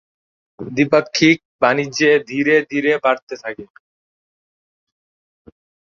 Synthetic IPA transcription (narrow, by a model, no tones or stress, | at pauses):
d̪ipakʰːiːk̚banid͡ʒed̪ʱiɾed̪ʱiɾebaɽt̪et̪ʰake